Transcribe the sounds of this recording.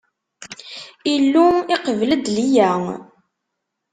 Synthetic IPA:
ilːuiqəvləd̪lijæŋ

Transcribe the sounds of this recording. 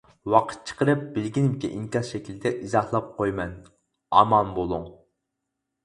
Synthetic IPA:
wɑqʰə̥t̪̚t͡ʃʰə̥qəɾɨp̚b̥ɪlɡʲinɪmkʲɛ̰ʔiŋkʲɑɾʃɛkʲild̪ɛʔizɑhlˠɑp̚qʰojmɛn | ɑ̰mɑnbolˠuŋ

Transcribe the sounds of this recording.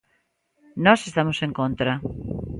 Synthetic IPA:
nɔsest̪amosẽŋkõnt̪ɾɐ

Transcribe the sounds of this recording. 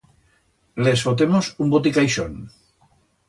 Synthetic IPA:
lesfot̪̬emosumbot̪̬ikajʃo̰n

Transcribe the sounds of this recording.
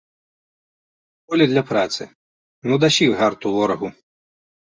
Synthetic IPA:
kɔlʲid̪lʲɐpɾat̪sɨ̰ | nud̪aɕʲiwɣart̪uvɔɾɐɣu

